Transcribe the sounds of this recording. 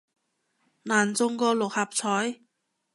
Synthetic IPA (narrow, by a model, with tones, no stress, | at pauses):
naː˨˩nt͡so˧ŋkɔː˧lo˨˩k̚ha˨˩p̚t͡ɕʰɔː˨˥j